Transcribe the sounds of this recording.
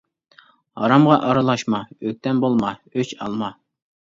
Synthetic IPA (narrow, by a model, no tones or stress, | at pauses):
hɑ̰ɾɑmʁɑʔɑɾɑlˠɑʃmɑøk̚ʲt̪ɛnbolˠmɑøt͡ʃɑ̰lˠmɑ